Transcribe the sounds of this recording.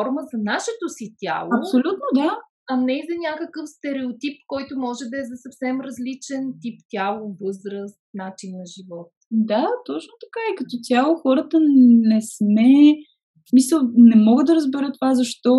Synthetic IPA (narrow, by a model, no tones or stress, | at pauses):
ɔɾməzɐnaʃɛt̪osit̪ʲa̰lˠoɐpsolʲut̪nod̪a | ɐnɛizɐnʲakəkəfst̪ɛɾɛot̪ip̚kɔjt̪ʊmɔʒɛd̪ɐɛzɐsɐfsɛmɾɐzlit͡ʃɛnt̪ipt̪ʲjalˠovɤzɾəst̪̚nat͡ʃinːɐʒivɔt̪d̪at̪ɔt͡ʃnot̪ɐ̥kaikɐt̪ɔt̪ʲjalˠoxɔɾət̪ənɛsmɛ | smisəlˠnɛmɔɡəd̪ːɐɾəzbɛɾət̪ːovazɐʃt̪ɔ